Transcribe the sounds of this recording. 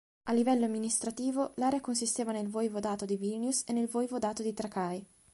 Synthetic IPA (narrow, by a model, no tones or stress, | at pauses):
alːivɛlːoamːinist̪ɾat̪iːvolaːɾeakonsist̪eːvanelvɔjvod̪aːt̪od̪ivilnjusenːelvɔjvod̪aːt̪od̪it̪ɾakaj